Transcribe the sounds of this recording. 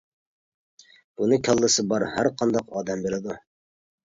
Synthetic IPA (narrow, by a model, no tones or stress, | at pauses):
b̥unɨkʲʰɑlˠːɨsəbɑɾhæɾqʰɑnd̪ɑqɑd̪æmbeɾɪd̪u